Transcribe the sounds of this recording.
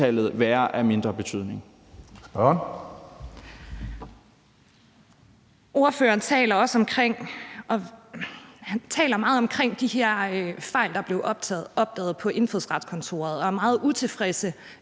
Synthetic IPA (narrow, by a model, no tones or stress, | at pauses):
ɛlð̞̩ˠʋæːɐʔæme̝nd̥ʁɐb̥e̝t͡sʰyð̞̰ˠne̝ŋ | b̥n | o̝ɐfø̰ːɐːn̩t͡sʰɛ̰ːlɐɒ̽səɒ̽mkʰʁeŋ̰ʔɒ̽ | hænt͡sʰɛ̰ːlɐmɑ̈ːð̩ˠɒ̽mkʰʁeŋ̰d̥iɦeɐ̰fɑ̈ɪ̰ld̥ɑ̈b̥le̝ʊʔɒ̽b̥̚d̥ɛ̰ːð̞̩ˠpʰɒ̽ʔe̝nfoðˠsʁɑ̈d̥skʰɒ̽nt͡sʰo̝̰ːɐð̞ˠɒ̽æɐmɑ̈ːð̞̩ˠut͡sʰe̝fʁɛsə